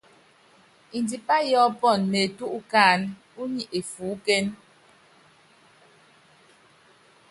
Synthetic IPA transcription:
i˨ndi˨pa˦jɔ˦pɔ˦˨nːe˨tu˦ʔu˦kaː˦˨n | u˦ɲi˨ʔe˨fuː˨˦kɛ˦n

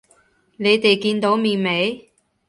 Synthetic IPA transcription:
ne˨˧jt̪e˨jkiː˧nt̪o˨˥wmiː˨˩ŋme˨˧j

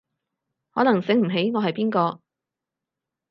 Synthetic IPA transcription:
hɔː˨˥nɐ˨˩ŋsɪ˨˥ŋm̩˨˩ɦe˨˥jŋɔː˨˧ɦɐ˨jpiː˥nkɔː˧

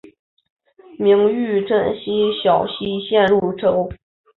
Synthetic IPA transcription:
mi˧˥ŋy˥˧˩ʈ͡ʂə˥˩nɕi˥ɕjɑ˨˩ʊɕi˥ɕjɛ˥˧nɻu˥˩ʈ͡ʂʰo˥ʊ

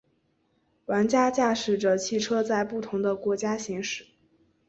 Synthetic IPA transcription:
wa˧˥nt͡ɕja˥t͡ɕja˥˩ʂɻ̩˨˩ʈ͡ʂə˦t͡ɕʰi˥˩ʈ͡ʂʰɤ˥t͡sa˥˧ɪpu˥˩t̪ʰʊ˧˥ŋd̪ə˧kwɔ˧˥t͡ɕja˥ɕi˧˥ŋʂɻ̩˨˩˦

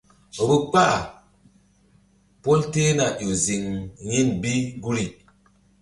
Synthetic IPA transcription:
o˨bu˦k͡pa˦˨ | po˦lte˦na˨ʔo˨zi˨ŋɲi˦˨nbi˦ɡu˦ɾi˨

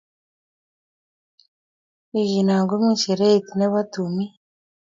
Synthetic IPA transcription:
i˨ʒi˨na˨ŋɡwe˦mu˦ʃe˨ɾe˦i˨ti˨ne˦βa˦tu˨mi˦

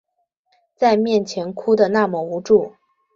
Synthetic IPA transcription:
t͡sa˥˧ɪmjɛ˥˩nt͡ɕʰjɛ˧˥nkʰu˥d̪ə˨na˥˩mə˩u˧˥ʈ͡ʂu˥˩

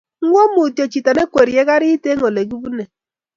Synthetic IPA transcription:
ŋ̩˦ŋʷo˦m˦u˨te˨t͡ʃi˨ta˨ne˦kʷe˨ɾi˨e˦ɡa˦ɾi˦i˦te˦ŋo˨le˨ɡu˦bu˦ne˨

